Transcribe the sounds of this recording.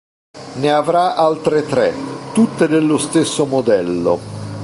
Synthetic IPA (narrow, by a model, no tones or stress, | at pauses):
neavɾaʔalt̪ɾet̪ɾɛt̪ut̪ːed̪elːost̪esːomod̪ɛlːo̰